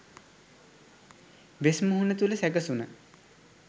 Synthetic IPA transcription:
besmuɦunet̪uləsækəsunə

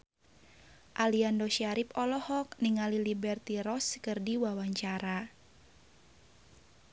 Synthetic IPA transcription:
ʔaliandɔʃiaɾipɔlɔhɔk̚niŋalilibɛrt̪iɾɔskərdiwawaɲt͡ʃaɾa

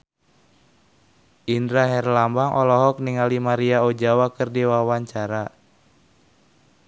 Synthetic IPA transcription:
ʔindɾaɦɛrlambaŋʔɔlɔɦɔk̚niŋalimaɾiaɔd͡ʒawakɨrdiwawaɲt͡ʃaɾa

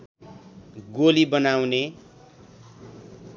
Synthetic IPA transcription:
ɡolibʌnawne

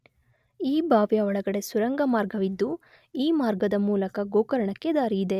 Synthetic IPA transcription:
iːbʱaːʋjɐɔɭɐɡɐɽe̞suɾɐŋɡɐmaːɾɡɐʋid̪ːu | iːmaːɾɡɐd̪ɐmuːlɐkɐɡoːkɐɾɐɳɐkːe̞d̪aːɾiːd̪e̞

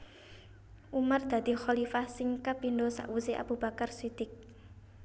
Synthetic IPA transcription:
ʔumard̪̥a̤d̪̥i̤xɔlifahsɪŋkapindosa̰ʔwuseʔa̰b̥ub̥a̤karsid̪̥ɪk̚

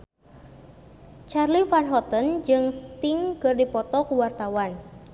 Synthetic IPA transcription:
t͡ʃarlifanɦɔt̪ənd͡ʒɨŋst̪iŋkɨrdipɔt̪ɔkuwart̪awan

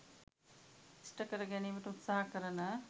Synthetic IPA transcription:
isʈɐkɐɾɐɡɛneːmɐʈɐut̪saɦɐkəɾɐnɐ

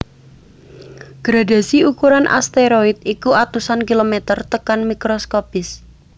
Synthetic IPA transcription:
ɡ̥ɾada̤siukuɾanʔa̰st̪eɾoit̪̚ikuʔat̪usankilomɛt̪ərt̪əkanmikɾoskopɪs

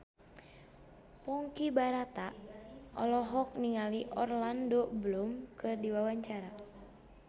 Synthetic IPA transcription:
pɔŋkibaɾat̪aʔɔ̰lɔɦɔk̚niŋaliʔɔrlandobəlumkʰɨrdiwawaɲt͡ʃaɾa

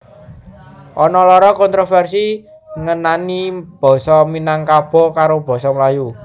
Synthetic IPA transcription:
ʔɔnɔlɔɾɔkɔnt̪ɾofɛrsi | ŋənanib̥ɔ̤sɔminaŋkab̥ɔ̤kaɾob̥ɔ̤sɔməlaju

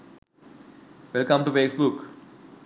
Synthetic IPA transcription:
ʋɛlkɐ̃mʈufeːsbuk

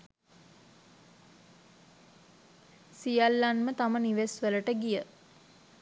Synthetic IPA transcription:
sijalːanmət̪aməniʋesʋələʈəɡijə

